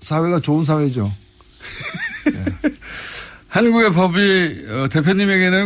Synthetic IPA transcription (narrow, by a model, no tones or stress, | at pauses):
sʰawe̞ɡat͡ɕoɯns̬ʰawe̞d͡ʑo | je | hanɡuɡe̞p̬ʌbiʌte̞pʰjoɲimeɡe̞nɯn